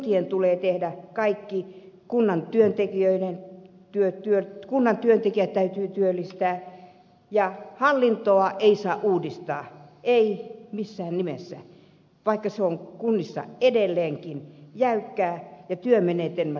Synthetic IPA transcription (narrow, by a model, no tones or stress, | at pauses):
t̪ient̪uleːt̪ehdækɑikːi | kunːɑnt̪yønt̪ekiøiden | t̪yøt̪yøkunːɑnt̪yønt̪ekiæt̪t̪ːæyt̪yːt̪yølːist̪æː | jɑhɑlːint̪oɑʔeisɑːʔʔuːdist̪ɑːeimisːæːnnimesːæ̰ | ʋɑikːɑseoŋkunːisːɑ̰edelːeːŋkinjæykːæːjɑt̪yømeneːt̪enmæ